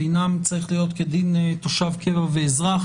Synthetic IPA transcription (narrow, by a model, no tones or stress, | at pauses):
inamt͡saʁiχlijo̞t̪ked̪int̪oʃavkʰeveveːzʁaχ